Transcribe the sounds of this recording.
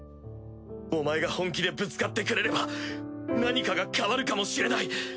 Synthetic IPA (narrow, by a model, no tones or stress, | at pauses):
o̞mae̞ɡahõ̞ŋk̬ʲid̪e̞bɯ̟t͡sɨ̥kat̪ːe̞kɯ̟ɾe̞ɾe̞ba | naɲ̟ikaɡakaβaɾɯ̟kamo̞ɕiɾe̞nai